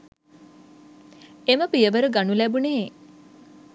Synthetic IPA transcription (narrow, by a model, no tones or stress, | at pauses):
eməpijəʋəɾəɡanulæbune